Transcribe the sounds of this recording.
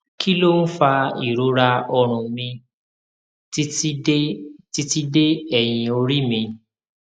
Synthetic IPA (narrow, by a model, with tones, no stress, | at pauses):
kʰi˦lo˦n̩˦fa˧i˨ɾo˨˧˦ɾa˧ɔ˧ɾ̃ũ˨mĩ˧˦ | ti˧ti˦de˦ɛ˨j̃ĩ˨o˧ɾi˦mĩ˧